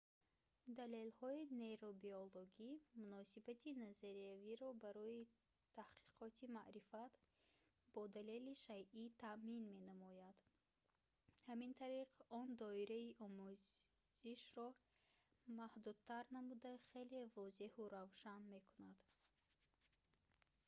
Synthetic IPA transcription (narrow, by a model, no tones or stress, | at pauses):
d̪ale̞lhɔine̞ɾobioloɡimunɔsibat̪ʰinazaɾiaviɾɔbaɾɔi | t̪ʰahqʰi̥qʰɔt̪ʰimaʔɾifat̪ | bɔd̪ale̞liʃajʔit̪ʰaʔminme̞namɔjad̪ | hamint̪ʰaɾiqɔnd̪ɔiɾaiʔɔmuzz̥iʃrɔ | mahd̪ud̪̚t̪ʰaɾnamud̪aχe̞le̞vɔzehuɾavʃanme̞kʰunad̪̥